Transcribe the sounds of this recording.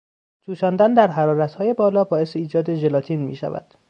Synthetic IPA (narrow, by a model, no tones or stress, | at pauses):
t̪ʰuːʃɒːnd̪ænd̪æɾɦæɾɒːɾæt̪hɒːje̞bɒːlɒːbɒːe̞seiːd͡ʒɒːd̪e̞ʒelɒːt̪ʰiːnmḭːʃæ̰væ̰d̪̥